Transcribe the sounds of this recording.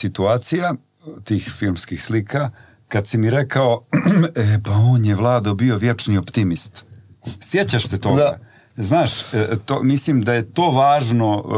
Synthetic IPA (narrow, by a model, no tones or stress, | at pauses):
sit̪uaːt̪sija | t̪iːxfilˠmskixslikʰa | kad̪simiɾe̞kao | epaoːnjeʋlˠaːd̪obio̞ʋjet͡ʂniopt̪imist̪ | sjet͡ɕaʃset̪oɡa̰ | znaːʃt̪omislimd̪aje̞t̪o̞ːʋaːʒno̞